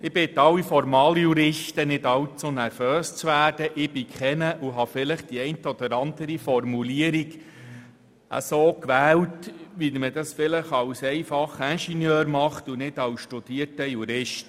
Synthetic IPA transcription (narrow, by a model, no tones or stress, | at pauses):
ɪbɪt̪ɑwifɔɾmɑːlijuɾɪʃtənɪdɑwt͡sonæɾføːst͡sʋæːd̥əʔɪb̥ɪkχɛnəʔuɦɑfɪləχd̥iɛɪntɔd̥̪əɾɑnd̥̪əɾifɔrmuliəɾiɡ | ʔə̰soːkʋæːwtʋimədɑsfɪləχɑwsɛɪfɑχænʃinjøːɾmɑχtunɪd̥ɑwsʃtud̥iətəjuɾɪʃt